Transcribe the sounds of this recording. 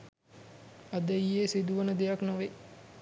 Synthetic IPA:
ad̪əjjːeːsid̪uʋənəd̪ejaknoʋe

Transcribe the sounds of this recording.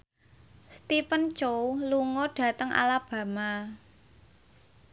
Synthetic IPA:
st̪ipənt͡ʃowluŋɔɖ̥ä̤t̪əŋʔa̰lab̥ä̤ma

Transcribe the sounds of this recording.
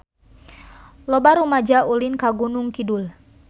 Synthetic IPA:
lɔbaɾumad͡ʒaulinkaɡunuŋkidul

